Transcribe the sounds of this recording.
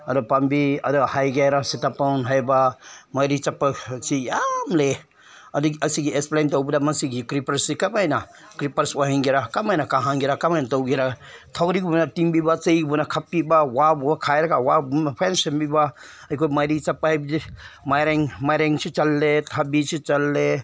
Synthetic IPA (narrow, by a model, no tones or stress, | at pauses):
ɐdɔpambiɐdɔhajɡajɾasitapanɦajbamajɾit͡ʃapːasijamle | ɐdiɡɐsiɡiesplantɔwbidamɐnsiɡikɾipɐɾsikamajna | kɾipɐɾswaɦiŋɡiɾakamajnakaɦaŋɡiɾakamajnatɔwɡiɾatʰɐwɾiɡbunatiŋbibat͡ʃɐjɡbunakʰapːibawabubakʰajɾaɡawabunapʰensɐnbiba | ɐjkʰojmajɾit͡ʃɐpːaɦajbidmajɾeŋmajɾeŋt͡ʃʰit͡ʃɐlːetʰabisʰit͡ʃɐlːe